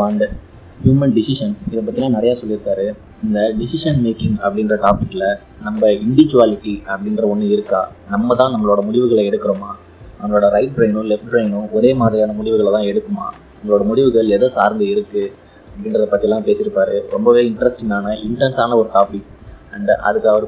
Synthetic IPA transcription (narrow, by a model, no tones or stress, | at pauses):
ʋaːɳɖ | hjuːmɐnɖɪsɪʂɐnsɪðɐpːɐt̪ːɪɛlːãːnɪɾɐjaːsɔlːɪɾɯpːaːɾɯ | ɪnd̪ɐɖɪsɪʂɐnmeːkːɪŋɡɐ̰pːɐɽɪnɾɐʈaːpɪkːɪlɐ | nɐmbɐɪɳɖɪʋɪd͡ʒɯʋaːlɪʈːiɐpːɐɽɪnɾɐɔnːɯɪɾɯkːa̰ːnɐmːɐt̪ãːnɐmːɐɭoːɽɐmʊɽɪʋɯɣɐɭɐɛɽɯkːɯɾomaː | ɐŋːɡɐɭoːɽɐɾɐɪʈ̚bɾeːnʊ̃lɛfʈ̚bɾeːnʊ̃ɔɾeːmaːðɪɾɪjaːnɐmʊɽɪʋɯɣɐɭt̪ãːɛɽɯkːɯma̰ːnɐmːɐɭoːɽɐmʊɽɪʋɯɣɐɭɛðɐsaːɾnd̪ɯɪɾɯkːɯ | ɐpːɐɽɪnɾɐðɐpɐt̪ːijɛlːãːpeːsɪɾɯpːaːɾɯɾɔ̰mbɐʋeːɪɳʈɾɐsʈɪnaːnɐʔɪɳʈɐnsaːnɐɔɾɯʈaːpɪkːɐɳʔɐ̰ðɯkːaːʋɐɾ